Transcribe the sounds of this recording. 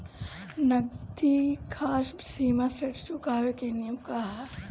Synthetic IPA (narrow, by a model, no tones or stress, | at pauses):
nɐɡd̪ikʰaːʃsiːmaseʈʰt͡ʃʊkaːʋekenijəmkaɦa